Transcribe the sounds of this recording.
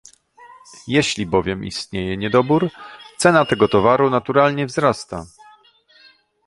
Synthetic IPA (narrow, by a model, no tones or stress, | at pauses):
jɛɕlʲibɔvʲjɛmḭst̪ɲejɛɲɛd̪ɔbuɾt̪sɛnat̪ɛɡɔt̪ɔvaɾunat̪uɾalɲɛvzɾast̪a